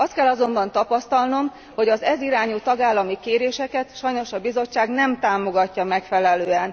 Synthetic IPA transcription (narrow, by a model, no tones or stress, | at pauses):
ɒst̪kɛlːɒzo̞mbɒnt̪ɒpɒst̪ɒlno̞m | ho̞ɟɒzɛziɾaːɲut̪ɒɡaːlːɒmikeːɾeːʃɛkɛt̪ʃɒjno̞ʃɒbizo̞t͡ʃːaːɡnɛmt̪aːmo̞ɡɒcːɒmɛkfɛlɛløːɛn